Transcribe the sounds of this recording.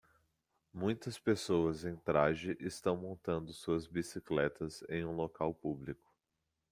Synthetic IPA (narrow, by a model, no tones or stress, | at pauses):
mũj̃t̪ɐspesowɐzẽj̃t̪ɾaʒɪʔɪst̪ɐ̃w̃mõnt̪ɐ̃nd̪ʊsuɐzbisiklɛt̪ɐzḛ̃j̃ũlokawpublikʊ̥